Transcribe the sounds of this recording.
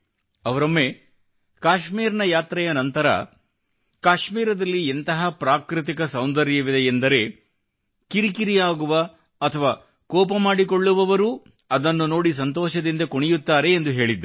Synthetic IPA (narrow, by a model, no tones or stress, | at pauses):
ɐʋɐɾɐmːe | kaːʃmiːɾɐnɐjaːt̪ɾɐjɐnɐnt̪ɐɾɐ̰ | kaːʃmiːɾɐd̪ɐlːient̪ɐɦɐpɾaːkɾit̪̬ikɐsɐwnd̪ɐɾjɐʋid̪ɛjend̪ɐɾe̞ | kiɾikiɾijaːɡuʋɐ | ɐt̪ʰɐʋaː | kɔːpɐmaːɽiko̞ɭːuʋɐʋɐɾuː | ɐd̪ɐnːuno̞ːɽis̬ɐnt̪ɔːʃɐd̪ind̪ɐkoɳɛjut̪ːaːɾe̞ːnd̪uɦe̞ːɭid̪ːu